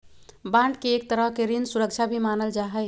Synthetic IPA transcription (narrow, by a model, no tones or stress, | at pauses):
bãɳɖkeːk̚t̪əɾəɦkeɾinsuɾək̚t͡ʃʰabʱimanəld͡ʒaɦəɪ